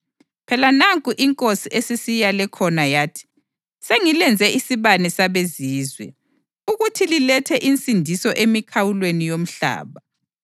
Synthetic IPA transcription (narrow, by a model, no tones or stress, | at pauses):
pʰɛlanaŋkʼuʔiŋkʼosiʔesisijalɛkʰɔnajaːtʰi̥ | seŋilɛnd͡zʱɛʔisiβanɛsaβeziːzwɛ̰ | uɣutʰililɛtʰɛʔint͡sʼindʱisɔʔemikʰawulwenijom̩ɬa̰ːβa